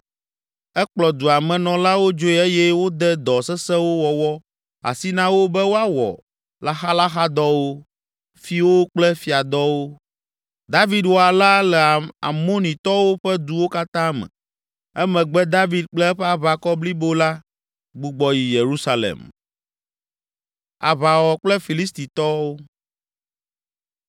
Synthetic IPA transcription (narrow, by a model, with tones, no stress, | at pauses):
ɛ˦k͡plɔ˨d̪u˨a˨mɛ̃˨nɔ̃˨la˦wo˦d͡ʒo˦ɛ˦e˦jɛ˦wo˦d̪ɛ˦d̪ɔ˨sɛ˦sɛ˦wo˦wɔ˨wɔ˦ | a̰˨si˦nã˦wo˦bɛ˦wo˦a˦wɔ̰˨ | la˦xa˦la˦xa˦d̪ɔ˦wo˦ | fi˦wo˦k͡plɛ˦fi˨a˨d̪ɔ˦wo˦ | d̪a˦vi˦d̪wo˦a˨la˦lɛ˨a˨a̰˨mõ˦nĩ˨t̪ɔ˦wo˦ɸɛ˦d̪u˨wo˦ka˦t̪ã˦mɛ̰̃˨ | ɛ˦mɛ̃˨ɡ͡bɛ˦d̪a˦vi˨d̪̚k͡plɛ˦ɸɛ˦a˨βa˨kɔ˦bli˦bo˦la˦ | ɡ͡bu˨ɡ͡bɔ˨ji˨je˨ɾu˦sa˦lḛ˨m | a̰˨βa˨wɔ˨k͡plɛ˦fi˨li˦st̪i˨t̪ɔ˦wo˦